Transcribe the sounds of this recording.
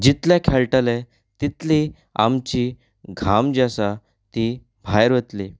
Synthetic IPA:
d͡ʑit̪lãkʰɛɭʈalɛ | t̪it̪li | a̰mt͡ɕiː | ɡʱamd͡ʑasa | t̪i | bʱajɾʋət̪li

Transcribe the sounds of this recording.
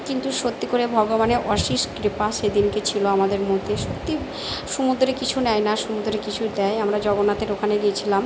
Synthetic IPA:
kint̪uʃot̪ːikoɾebʱɔɡobaneʔɔʃiʃkɾipased̪inket͡ɕʰiloamad̪eɾmot̪eʃot̪ːi | ʃumud̪ɾekit͡ɕʰunɛjnaʃumud̪ʱɾekit͡ɕʰud̪ɛjamɾad͡ʑɔɡonat̪eɾokʰaned̪iet͡ɕʰilam

